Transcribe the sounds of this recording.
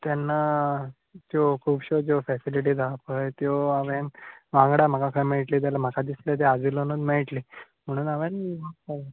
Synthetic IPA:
t̪janːa | t̪jokʰuːbɕod͡zofɛsiliʈ̬iːd͡z̪apəjt̪joaʋẽnʋãŋɡɽam̤akakʰəjmeʈliːt̪̬jalam̤əkʰad̪islet̪̬ead͡zilonəd̪meɭʈli | m̤əɽ̃uːnaʋẽnmaa

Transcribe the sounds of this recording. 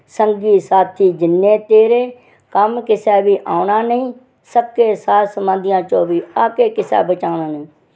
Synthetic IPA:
səŋɡiːsaːt̪ʰiːd͡ʒɪnːeːt̪eːɾeː | kəmkɪsɛːbiːʔaːʊɳaːnəĩː | səb̚keːsaːsəmãːd̪ɪjãːt͡ʃõːbiːaːkeːkɪsɛ̰ːbət͡ʃaːʊɳaːnəĩː

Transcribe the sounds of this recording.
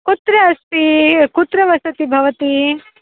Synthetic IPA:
kut̪ɾɐːst̪ikut̪ɾɐʋɐsɐt̪ibʱɐʋɐt̪i

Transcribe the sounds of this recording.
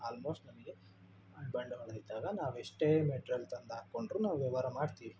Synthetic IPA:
aːlmoːsʈnɐmɐɡe̞ | bɐɳɖuɦɐɭd̪id̪aːɡɐnaːʋeʂʈeːmeʈɾɐlt̪ɐnd̪aːkːoɳɖɾuːnaːʋʋɐʋaːɾɐmaːɖt̪iːʋi

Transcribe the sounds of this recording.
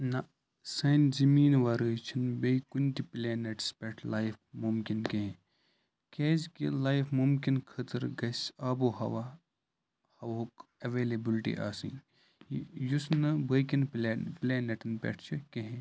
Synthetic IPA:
nɐ | sɐnzɐmiːnʋaːɾəːt͡ʃʰinbejkunʲt̪ipleːneʈspʲeʈʰlaːjfmumkinkeɦẽ | keːzkilaːjfʰmumkinkʰɐt̪əɾɡɐsaːbohɐʋa | hɐʋoːkɐʋeːlebilʈḭʔa̰ːsḭ̃ː | jusnɨbɐkinpleːneʈɐnpʲḛʈʰt͡ʃʰikeɦẽ

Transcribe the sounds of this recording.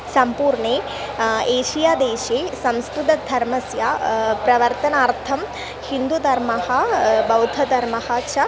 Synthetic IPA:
sɐmpuːɾɳeː | eːʃijaːd̪eːʃeːsɐmst̪ud̪ɐd̪ʱɐɾmɐsjaːpɾɐʋɐɾt̪ɐnaːɾt̪ʰɐm | hind̪ud̪ʱɐɾmɐɦɐbɐwd̪ʱɐd̪ʱɐɾmɐhɐt͡ʃʰɐ

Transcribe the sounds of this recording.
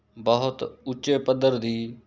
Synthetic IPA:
bəɦʊt̪ʊt͡ʃeːpəd̪əɾd̪iː

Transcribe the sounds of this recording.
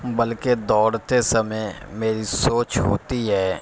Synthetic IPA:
bɐlked̪ɔːɾt̪esɐməmeːɾisoːt͡ʃɦo̰ːt̪iɦɛː

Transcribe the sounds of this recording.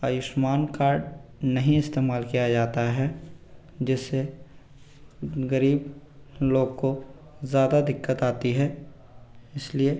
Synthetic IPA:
aːjʊʃmaːnkaːɾɖnɐɦĩɪst̪eːmaːlkijad͡ʒaːt̪aɦɛ | d͡ʒɪsːe | ɣɐɾiːbloːɡkozjaːd̪ad̪ɪkːət̪aːt̪iɦɛː | ɪslie

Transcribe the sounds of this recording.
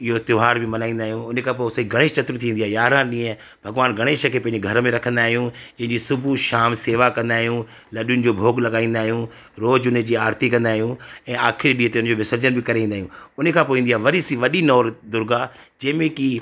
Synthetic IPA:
ɪɦot̪jʊːɦaːɾbɪmɐnaːĩnd̪aːɦijũʊnekʰãːp̬oːsɐiɡʱɐɽ̃eːt͡ʃɐt̪ɾt̪ʰĩːnd̪iaːjaːɾãɗĩːə̃ | bʱɐɡʋaːnɡʱɐɽ̃eːʃəkʰepɐ̃ɪ̃d͡ʑeɡʱɐɾəmẽɾɐkʰə̃nd̪aːɦjũd͡ʑɐ̃ɦɪ̃ɲd͡ʑisʊbʱuʃaːmseːʋakɐ̃nd̪aːɦijũ | lɐɗjʊnɪ̆d͡ʑoːbʱoːɡlɐɠaːĩːn̆d̪aːɦijũ | ɾoːd͡ʑʊned͡ʑiːaːɾt̪ikɐ̃nd̪aːɦijũɛ̃ːaːkʰɪɾiɗiːət̪eʊnə̃d͡ʑoːʋɪsəɾd͡ʑənbɪkɐɾeĩːnd̪aːɦjũʊnekʰãːpoːĩnd̪iaːʋɐɾisiʋɐɗinɔːɾd̪ʊɾɡad͡ʑɐ̃ːmẽki

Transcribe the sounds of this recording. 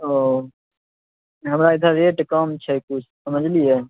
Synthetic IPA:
oː | ɦəmɾaːɪt̪ʰaɾeːʈkaːmt͡ʃʰɛkʊt͡ʃʰsəməd͡ʒliɦɛː

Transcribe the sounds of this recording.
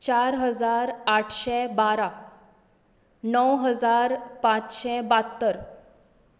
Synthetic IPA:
t͡ɕaɾɦəd͡zaɾaʈʰɕɛbaɾa | nəwɦəd͡zaɾpãt͡sɕɛbat̪ːəɾ

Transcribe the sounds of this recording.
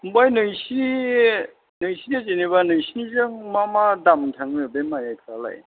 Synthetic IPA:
umbajnɯjsi | nɯjsiazeniβanɯjsinizɯŋmamadamtʰaŋmbemajajkʰɾala̰j

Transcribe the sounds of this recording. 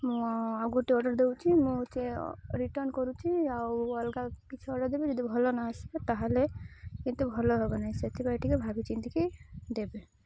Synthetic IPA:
mũaɡoʈiɔɖɔɾd̪ewt͡ʃʰimũt͡ʃeɾiʈəɾnkɔɾut͡ʃʰiawɔlɡakit͡ʃʰuɔɖɔɾd̪ebed͡ʒɔd̪ibʱɔlonaəsbet̪aɦalekint̪ubʱɔloɦebenaɦĩset̪ibajʈikebʱabit͡ʃint̪ikid̪ebe

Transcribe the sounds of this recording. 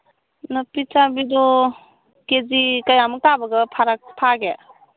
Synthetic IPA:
nɔpit͡ʃabidɔ | kezikajamuk̚tabaɡɐpʰaɾakpʰaɡe

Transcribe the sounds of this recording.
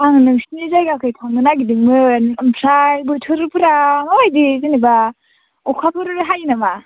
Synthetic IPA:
aŋnɯŋsinizajɡakʰɯjtʰaŋdɯnaɡidiŋmɯnɯmpʰɾajbɯtʰɯɾɯpʰɯɾamabajdizɯniba | ɔkʰapʰɯɾɾɦajinama

